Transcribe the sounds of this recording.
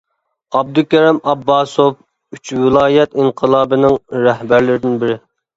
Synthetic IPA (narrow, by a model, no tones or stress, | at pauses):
ɑb̚d̪ukʲɛɾɛmɑbːɑːsof | yt͡ʃwɪlˠɑːjɛt̪iŋqʰəlˠɑːbɨnɪŋɾɛhbæɾlɪɾɪd̪ɪnbɪɾɪ